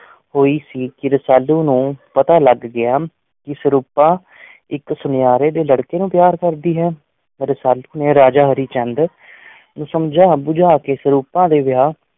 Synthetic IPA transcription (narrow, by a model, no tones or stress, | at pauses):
hoːiːsiːkɪɾəsaːlːuːnũːpət̪aːləɡːɪaː | kɪsəɾuːpãː | ɪksʊnjaːɾeːd̪eːləɽkeːnũːpjaːɾkəɾd̪iːɦɛː | ɾəsaːluːneːɾaːd͡ʒaːɦəɾiːt͡ʃɛ̃nd̪ | nũːsəmd͡ʒaːbʊd͡ʒaːkeːsəɾuːpãːd̪eːʋɪjaː